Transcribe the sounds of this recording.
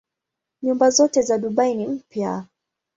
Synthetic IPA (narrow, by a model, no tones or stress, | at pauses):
ɲumbazɔtɛzaɗuɓainim̩pja